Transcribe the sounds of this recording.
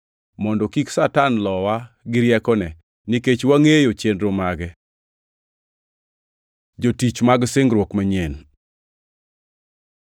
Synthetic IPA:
mɔndɔkiksatanlɔwa | ɡɪɾjɛkɔnɛ | niket͡ʃwaŋejot͡ʃendɾomaɡɛ | d͡ʒotit͡ʃmaɡsɪŋɡɾwokmaɲen

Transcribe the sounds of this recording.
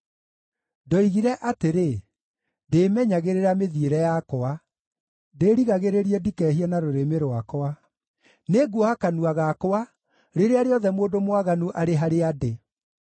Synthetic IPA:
dɔiɣiɾɛʔateɾe | deːmɛɲaɣeɾeɾameðieɾɛjakoa | deɾiɣaɣeɾeɾiɛdikɛɦianaɾoɾemeɾoakoa | neɡwohakanuaɣakoa | ɾeɾeaɾeɔðɛmoːdomwaɣanuʔaɾeɦaɾeade

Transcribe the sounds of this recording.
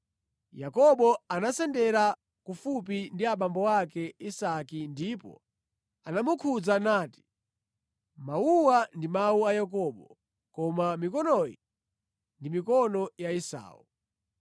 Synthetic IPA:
jakɔɓɔanasɛndɛɾa | kufup̬indiaɓambɔwakɛisakindipɔ̰ | anamukʰud͡zanaːti̥ | mauwandimauajakɔɓɔ | kɔmamikɔnɔji | ndimikɔnɔjaisa̰ːṵ

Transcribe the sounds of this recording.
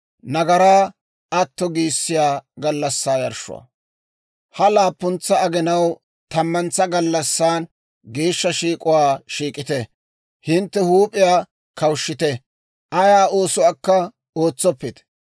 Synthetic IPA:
nɐɡɐɾaː | ɐt̪ːɔɡiːsːɪjaːɡɐlːɐsːaːjɐɾʃʊ̰wa̰ | hɐlaːpːʊnt͡sːɐɐɡɛnɐw | t̪ɐmːɐnt͡sːɐɡɐlːɐsːaːn | ɡeːʃːɐʃiːkʼʊwaːʃiːkʼɪt̪ɛ | hɪnt̪ːɛhuːpʼɪjaː | kɐwʃːɪt̪ɛ | ʔɐjaːo̞ːsʊwaːkːɐ | o̞ːt͡sːɔpːɪt̪

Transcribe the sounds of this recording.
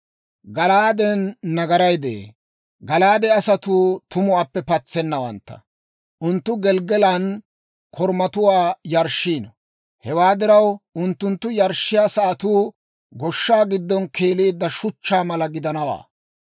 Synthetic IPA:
ɡɐlaːd̪ɛnːɐɡɐɾɐjd̪ḛː | ɡɐlaːd̪ɛɐsɐt̪uːt̪ʊmʊaːpːɛpɐt͡sːɛnːɐwɐ̰nt̪ːɐ̰ | ʔʊnt̪ːʊɡɛlɡɛlɐn | kʰɔɾmɐt̪ʊwaːjɐɾʃːiːnɔ | hɛwaːd̪ɪɾɐwʊnt̪ːʊnt̪ːʊjɐɾʃːɪjaːsɐʔɐt̪uː | ɡɔʃːaːɡɪd̪ːɔnke̞ːleːd̪ːɐʃʊt͡ʃːaːmɐlɐɡɪd̪ɐnɐwa̰ː

